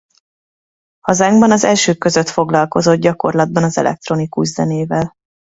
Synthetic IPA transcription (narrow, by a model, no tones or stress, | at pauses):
hɒzaːŋɡbɒnɒzɛlʃøːkːøzø̞t̪fo̞ɡlɒlko̞zo̞d̪̚ɟɒko̞rlɒd̪̚bɒnɒzɛ̰lʔɛ̰k̚t̪ro̞nikuʒzɛ̰neːvɛl